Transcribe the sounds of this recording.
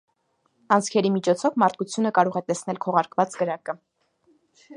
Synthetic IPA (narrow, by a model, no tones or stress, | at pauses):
ɑnt͡sʰkʰɛɾimit͡ʃʰɔt͡sʰɔvmɑɾt̪̚ʰkut͡sʰjunəkɑɾɔʁɛt̪ɛsnɛlkʰɔʁɑɾkvɑt͡sɡəɾɑkə